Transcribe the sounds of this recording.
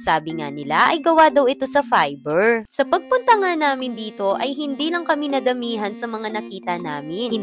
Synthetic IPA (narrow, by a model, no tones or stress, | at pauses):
saːbɪŋa̰nɪlaʔɐjɡɐwad̪ɐwɪt̪o̞sɐfajbɛɹsɐpɐɡ̚pʊnt̪ɐŋanaːmɪnd̪iːt̪o̞ʔɐjɦɪnd̪iːlɐŋkɐmɪnɐd̪ɐmiːɦɐnsɐmɐŋanɐkiːt̪ɐnaːmɪn